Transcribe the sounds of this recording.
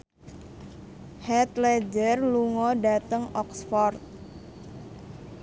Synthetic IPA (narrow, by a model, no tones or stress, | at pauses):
hɛt̪̚lɛd͡ʒərluŋɔdat̪əŋɔksfɔrt̪̚